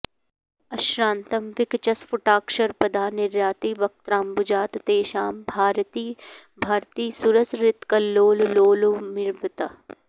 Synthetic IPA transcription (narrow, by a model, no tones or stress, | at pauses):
ɐʃɾãːnt̪ɐmʋɪkt͡ʃɐsfʊʈaːkʃɐɾpɐd̪ʱaːnɪɾjaːt̪iːʋɐk̚t̪ɾãːmbʊd͡ʒaːt̪t̪eːʃaːmbʱaːɾt̪iː | bʱaːɾt̪iːsuɾəsɾɪt̪kɐloːlloːlumɪɾbət̪a